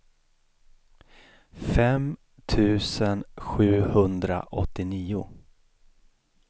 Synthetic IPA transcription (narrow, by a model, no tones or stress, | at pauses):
fɛm | t̪ʰʉ̟ːsənɧʉ̟ːhɵnd̪ɾa̰ʔɔ̰t̪ːɪniːʊ̰